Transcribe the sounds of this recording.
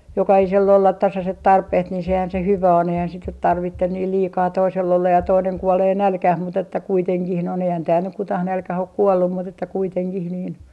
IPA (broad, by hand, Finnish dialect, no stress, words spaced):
jokɑhiselː olːɑt tɑsɑset tɑrpeht nin sehæn se hyʋæ on eihæn sit nyt tɑrʋitːen niːl liːkɑː toisel olːɑj jɑ toineŋ kuoleː nælkæh mut etːæ kuiteŋkih noin eihæn tæːl nyk kutɑh nælkæh ok kuolːum mut etːæ kuiteŋkih niːn